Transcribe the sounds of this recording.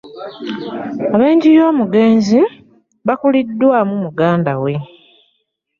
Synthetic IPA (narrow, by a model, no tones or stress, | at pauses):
aβeːɲɟijo̞ːmuɡe̞ːnzi | βakulidːwamumuɡaːndawe̞